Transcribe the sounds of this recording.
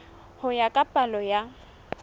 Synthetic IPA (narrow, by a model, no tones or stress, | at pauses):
hʊjakʼapʼalɔja